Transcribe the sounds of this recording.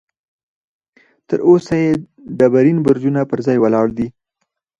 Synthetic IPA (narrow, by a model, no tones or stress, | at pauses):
t̪əɾʔosaje | d̪abaɾinbʊɾd͡ʒunapəɾzɑjwəlɑɽd̪i